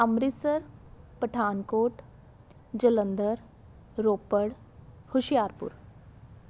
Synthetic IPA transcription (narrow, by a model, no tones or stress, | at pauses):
ɐmɾisəɾpəʈʰaːnkoːʈ | d͡ʒələnd̪əɾ | ɾoːpəɽ | hʊʃjaːɾpʊ̰ɾ